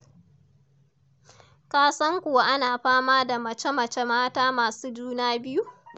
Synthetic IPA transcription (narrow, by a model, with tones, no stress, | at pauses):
kaː˨sɐ˦ŋkʷʊ˨wa˦ʔa˦naː˨ɸaː˦maː˦da˨mɐ˨t͡ʃe˦mɐ˨t͡ʃe˦maː˦taː˦maː˨suː˦d͡ʒuː˦naː˦bɪ˦ju˦ʔ